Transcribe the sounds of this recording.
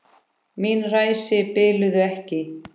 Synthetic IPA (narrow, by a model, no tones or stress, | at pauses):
miːnraːjsɪpɪːlʏðʏɛhcɪ